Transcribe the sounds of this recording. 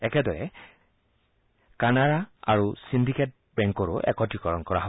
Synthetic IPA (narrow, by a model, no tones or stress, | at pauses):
ɛkɛdɔɹɛ | kanaɾaa̰ɹusindiket̚ | bɛŋkɔɹʊʔɛ̰kɔtikɔɹɔnkɔɹaɦɔ